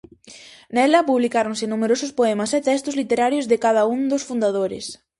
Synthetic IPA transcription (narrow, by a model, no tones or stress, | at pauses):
nɛlɐpuβlikaɾonsɪnumeɾosʊspoɛmɐsɛt̪ɛst̪ʊzlit̪eɾaɾjʊzðɪkað̞ɐuŋd̪ʊsfund̪aðoɾɪ̰s